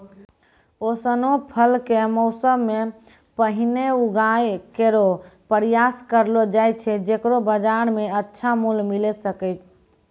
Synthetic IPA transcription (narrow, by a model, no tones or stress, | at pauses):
osənopʰəlkemɔʊsəbme | pəɦineuɡajkeɾopəɾijaskəɾlod͡ʒajt͡ʃʰɛd͡ʒekɾobəd͡ʒaɾmeətːʃʰamulmilɛsəkəɪt̪